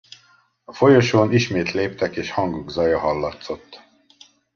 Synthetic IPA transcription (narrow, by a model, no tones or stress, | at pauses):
ɒfo̞joʃoːniʃmeːt̪leːpt̪ɛkeːʃhɒŋɡuɡzɒjɒɦɒlːɒt̪so̞t̪ː